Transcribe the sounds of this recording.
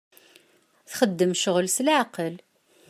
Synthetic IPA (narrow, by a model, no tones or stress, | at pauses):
θχəd̪ːəmʃʊʁlslʕqəl